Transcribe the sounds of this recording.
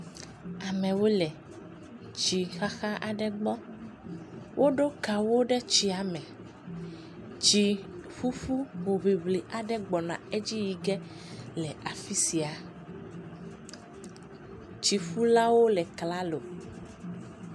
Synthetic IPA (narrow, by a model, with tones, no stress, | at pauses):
a˨mɛ̃˨wo˦lɛ˨ | t͡ʃi˨xa˦xa˦ʔa˨ɖɛ˦ɡ͡bɔ˦ | wʔo˦ɖo˦ka˨wo˦ɖɛ˦t͡ʃi˦a˨mɛ̃˨ | t͡ʃi˨fu˦fu˦wo˨βi˨βli˨ʔa˨ɖɛ˦ɡ͡bɔ˨nã̰˨e˦d͡ʑi˦ji˨ɡɛ˦ | lɛ˨a˨fi˦si˨a˨ | t͡ʃi˨fu˦la˦wo˦lɛ˨kla˦lo˨